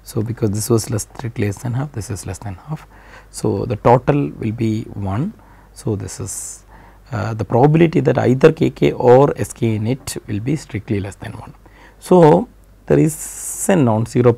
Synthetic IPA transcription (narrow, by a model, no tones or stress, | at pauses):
soːbɪkɔːzd̪ɪsʋɔːzlest̪ʰɾɪkʈliesd̪ɛ̃nɦaːfd̪ɪsɪzlɛsd̪ɛ̃nhaːf | so̰ːd̪əʈoːʈəlʋɪ̰lbiʋʌ̃n | soːd̪ɪsɪz | d̪əpɾɔːbəbɪlɪʈid̪æʈa̰ɪd̪əɾkeːkeːʔɔːɾeskẽnɪʈʋɪlbisʈɾɪk̚ʈlilɛsd̪ɛ̃nʋʌ̰̃n | soː | d̪̥ḛɾɪzsẽnːɔ̃ːnsiɾoː